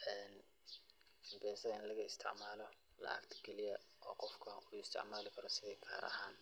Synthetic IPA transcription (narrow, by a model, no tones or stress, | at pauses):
ʔɛːn | bɛːsɐɪnlɐɣɐɪst̪ʰɪ̰ʕmaːlɔ | lɐ̰ʔɐ̰kt̪ʰkʰɛlɪjɐʔɔːqɔfkʰɐuːɪst̪ʰɪ̰ʕmaːlɪkʰɐɾɔsɪðɛjkʰa̰ːɾʔɐ̰ɦaːn